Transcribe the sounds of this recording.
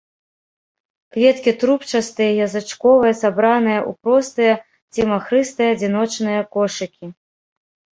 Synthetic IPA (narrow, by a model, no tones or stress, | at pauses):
kvʲɛt̪kʲit̪ɾupt͡ʂast̪ɨjɐjɐzɨt͡ʂkɔvɨjɐsabɾanɨjɐʔṵpɾɔst̪ɨjɐ | t͡sʲimaxɾɨst̪ɨjɐd͡zʲinɔt͡ʂnɨjɐkɔʂɨkʲi